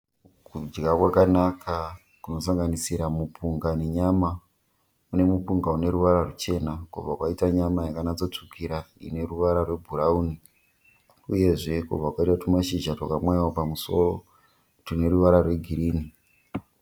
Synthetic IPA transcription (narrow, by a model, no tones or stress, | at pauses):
kud͡ʒɡakwakanakʰa | kuno̞saŋɡanisiɾamupuŋɡane̞ɲama | une̞mupuŋɡaune̞ɾuʋaɾarut͡ʃe̞nakub͡vakwaitaɲamajakanat͡so̞t͡ʂukʰiɾaḭne̞ruʋaɾarwe̞bʱurauni | uje̞ʐe̞kṵb͡vakwaitatumaʃiʒatwokamwaaopamuso̞ro̞ | tine̞ruʋaɾarwe̞ɡʱiɾiːni